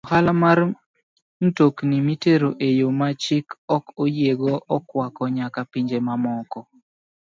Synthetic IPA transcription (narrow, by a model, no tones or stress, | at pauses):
ɔhalamar | n̩toknimiteɾoʔejomat͡ʃɪkɔkojeɡɔʔɔkwakɔɲakapiɲd͡ʒemamɔkɔ